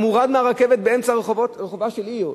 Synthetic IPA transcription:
muʁad̪meaʁakevet̪̚beemt͡saʁeχovoʁeχovaʃeliʁ

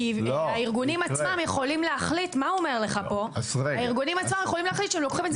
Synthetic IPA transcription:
iaiʁɡunimat͡smamjeχo̞limleaχlit̪mauomeʁle̞χapo̞saiʁɡunimat͡smamjeχo̞limleaχlit̪ʃeemlo̞kχimez

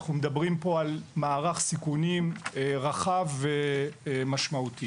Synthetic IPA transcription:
χnumed̪abʁimpo̞almaːʁaχsikunimeʁaχavemaʃmaut̪i

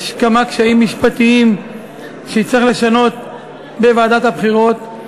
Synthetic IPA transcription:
ʃkamakʃaimːiʃpat̪iim | ʃeit͡sʁiχle̞ʃano̞t̪ | bevaːd̪at̪habχiʁo̞t̪

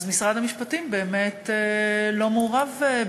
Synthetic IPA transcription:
zmisʁad̪amiʃpatimbe̞ːmetelo̞moʁave

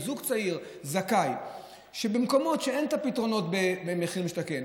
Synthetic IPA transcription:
zuɡt͡saiʁzakaj | ʃebemko̞mo̞tʃeent̪apitʁo̞no̞tbebemeχimiʃt̪aken

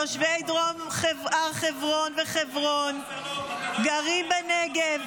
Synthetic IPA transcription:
oʃvejd̪ʁomχevaχevʁonveχevʁon | ɡaʁimbeneɡev

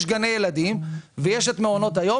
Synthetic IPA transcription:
ʃɡane̞jelad̪imvejeʃet̪meono̞t̪ajo̞

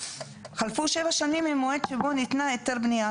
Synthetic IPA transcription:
χalfuʃe̞vaʃanimimːoedʃebo̞nit̪naet̪eʁbnija

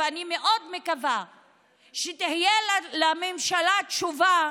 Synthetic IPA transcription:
animeʔo̞d̪mekava | ʃet̪ihjellamemʃalatʃuva

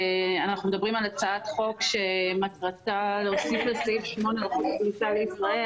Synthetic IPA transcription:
anaχnume̞d̪abʁimalat͡saatχo̞kʃematʁataleosiflesifʃmo̞nelaχut̪blitale̞isʁae

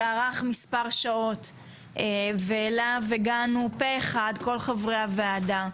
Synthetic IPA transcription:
aʁaχmispaʁʃao̞tː | velaveɡanupeːχad̪ko̞lχavʁeaveada

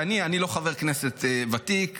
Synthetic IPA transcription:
anianilo̞χaveʁkneset̪vat̪ik

